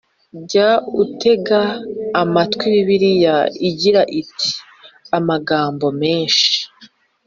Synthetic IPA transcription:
ɟautʰe̞ɡaːmatkwiβiβiɾijaiɟiɾaʔitʰi̥ | amaɡaːmbo̞me̞ːnʃi̥i̥

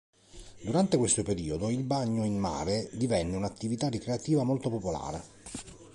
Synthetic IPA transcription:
d̪uɾant̪ekwest̪opeɾiːod̪oilbaɲːoinma̰ːɾed̪ivɛnːeunat̪ːivit̪arikɾeat̪iːvamolt̪opopola̰ːɾe

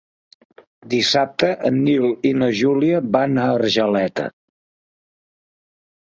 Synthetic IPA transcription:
d̪isap̚t̪əʔənːilinəʒuliəbanəərʒəlɛt̪ə̰

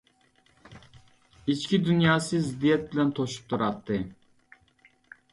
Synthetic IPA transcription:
it͡ʃkʲid̪unjɑːsɨzɪd̪ijɛt̪̚bɪlɛnt̪ʰoʃu̥p̚t̪ʰuɾɑt̪ʰːɨ

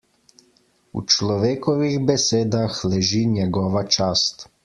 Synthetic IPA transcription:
ṵt͡ʃlɔʋeːkɔʋiɣbɛseːd̪axlɛʒiːɲjɛɡɔːʋat͡ʃaːst̪

